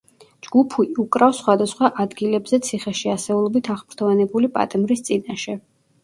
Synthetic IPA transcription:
d͡ʒɡupʰuiukʼɾafsχwad̪asχwaʔad̪ɡilɛbzɛt̪sʰiχɛʃiasɛulˠɔbit̪ʰaχpʰɾt̪ʰɔvanɛbulipʼa̰t̪ʼɛmɾist̪sʼinaʃɛ

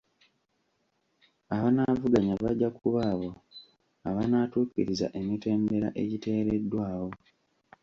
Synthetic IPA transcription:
aβanaːvuɡaɲaβaɟakuβaːβo̞ | aβanaːtuːkiɾiza̰ʔe̞mite̞ːmbe̞ɾa̰ʔe̞ɟite̞ːɾe̞dːwaːwo̞

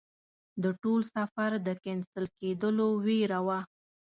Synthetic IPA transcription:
d̪əʈolsafaɾd̪əkɛnsəlked̪əloweɾawa

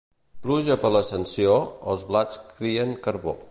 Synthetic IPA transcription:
pluʒəpələsənsioə̰lˠzβlat͡skɾiəŋkəɾβo̰

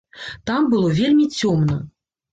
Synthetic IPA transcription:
t̪ambɨlˠɔvʲelʲmʲit͡sʲɔmnə

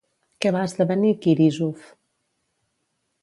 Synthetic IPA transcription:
kɛβaəzðəβənikiɾizof

